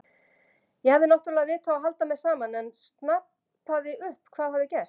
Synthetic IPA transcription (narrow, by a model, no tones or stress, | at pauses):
jɛhavðɪnawht̪ʏɾlavɪːt̪ʰawaɦalt̪amɛðsaːmanɛnst̪nap | paðɪʏhpkʰv̥aːðhavðɪcɛr̥t̪